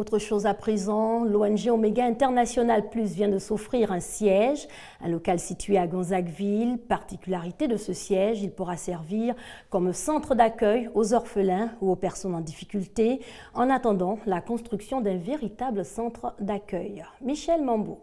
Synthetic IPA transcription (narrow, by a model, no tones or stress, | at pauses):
ot̪χəʃozapχezɑ̃loɛnʒeomeɡaɛ̃t̪ɛʁnasjɔnalplys̬vjɛ̃d̪əsɔfχiʁɛ̃sjɛʒ | ɛ̰̃lɔkalsit̪ɥeaɡɑ̃zakvilpaʁt̪ikʲylaʁit̪ed̪əsəsjɛʒilpuʁasɛʁviʁkɔmsɑ̃t̪χəd̪akʲœjozɔʁfəlɛ̃uopɛʁsɔnɑ̃d̪ifikʲylt̪e | ɑ̃nat̪ɑ̃d̪ɑ̃lakɔ̃st̪χyksjɔ̃d̪ɛ̃veʁit̪abləsɑ̃t̪χəd̪akʲœjmiʃɛlmɑ̃bo̰